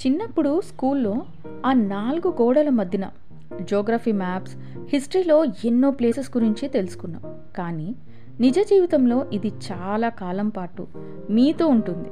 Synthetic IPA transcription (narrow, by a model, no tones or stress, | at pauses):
t͡ʃinːɐpːuɽuskuːlːo̞ː | aːnaːlɡuɡɔːɽɐlɐmɐd̪ʱjɐnɐ̰ | d͡ʒɔːɡɾaːpʰiːmaːps | hisʈɐɾiːlo̞ːenːoːple̞ːsesɡuɾiɲt͡ʃit̪e̞lusu̥kunːa̰ːm | kaːniː | nid͡ʒɐd͡ʒiːʋit̪ɐmlo̞ːʔid̪it͡ʃaːlaːkaːlɐmpaːʈṵ | miːt̪o̞ːuɳʈund̪i